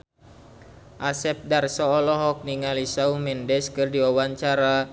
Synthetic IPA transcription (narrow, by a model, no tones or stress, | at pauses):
ʔasɛp̚darsɔːlɔɦɔk̚niŋalisaumɛndɛskɨrdiɔwaɲt͡ʃaɾa